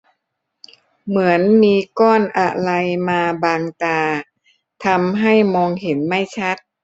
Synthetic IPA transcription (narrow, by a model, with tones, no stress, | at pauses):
mɯ˩˦ənmiː˧kɔː˥˩nʔa˧˩la˧jmaː˧baː˧ŋt̪aː˧ | t̪ʰa˧mɦa˥˩jmɔː˧ŋhe˩˦nma˥˩jt͡ɕʰa˦˥t̪̚